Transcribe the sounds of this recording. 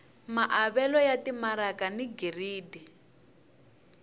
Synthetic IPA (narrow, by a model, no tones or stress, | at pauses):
maʔaβɛlɔjatimaɾakaniɡeriːdi